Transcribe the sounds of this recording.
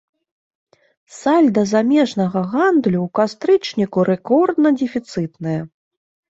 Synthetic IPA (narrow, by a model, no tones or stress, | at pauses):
salʲd̪ɐzamʲɛʐnɐɣɐɣand̪lʲuwkast̪ɾɨt͡ʂnʲikuɾɛkɔrd̪nɐd͡zʲɛfʲit̪sɨt̪nɨjɐ